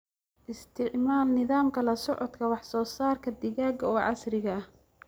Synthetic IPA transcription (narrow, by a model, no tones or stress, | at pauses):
ʔɪst̪ʰɪʕmaːlnɪðaːmkʰɐlɐsɔʕɔd̪kʰɐwɑħsɔːsaːrkʰɐd̪ɪɣaːɡɐɔːʕɑ̰srɪɣɐɐh